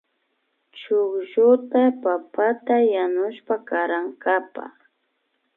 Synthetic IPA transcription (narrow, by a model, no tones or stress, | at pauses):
t͡ʃʊkʒʊt̪apapat̪ajanʊʃpakaɾaŋkapa̰χ